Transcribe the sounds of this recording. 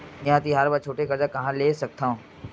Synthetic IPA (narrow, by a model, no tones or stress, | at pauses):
jɐɦãt̪iɦaːɾbat͡ʃʰoːʈekɐɾd͡ʒakɐɦãleːsɐk̚t̪aɦũː